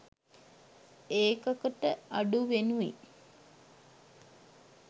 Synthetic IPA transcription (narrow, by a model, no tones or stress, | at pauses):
eːkəkəʈəaɖuʋenuḭ